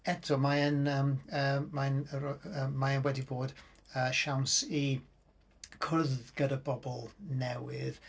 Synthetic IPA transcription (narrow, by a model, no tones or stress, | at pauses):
ɛtʰɔmaənəːməmanəmaənwɛdiboːd̥ | əʃawnsi | kʰʊðɡ̥ədəbɔbɔlˠnɛwɪð̥